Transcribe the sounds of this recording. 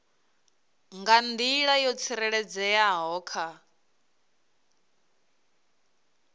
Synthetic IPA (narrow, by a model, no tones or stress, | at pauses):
ŋɡand̪iɺajɔt͡sʰiɾɛɺɛd͡zɛjaɦɔːkʰa